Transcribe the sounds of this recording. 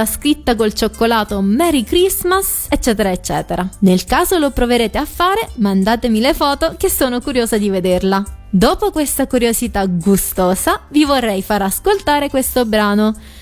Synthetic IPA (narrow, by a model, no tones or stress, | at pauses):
askɾit̪ːak̬olt͡ʃokːolaːt̪omɛɾikɾizmas | et͡ʃːɛːt̪eɾaet͡ʃːɛ̰ːt̪eɾanelkaːzolopɾoveɾeːt̪eafːaːɾemand̪aːt̪emilefɔːt̪okesːoːnokuɾjoːzad̪ived̪erlad̪oːpokwest̪akuɾjozit̪aɡust̪oːzavivorːɛjfaɾaskolt̪aːɾekwest̪obɾaːno